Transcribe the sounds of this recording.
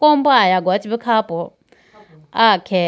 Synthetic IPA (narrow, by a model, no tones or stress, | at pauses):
kɔmbɔajaɡwat͡ʃʰibikʰapɔ | akʰɛ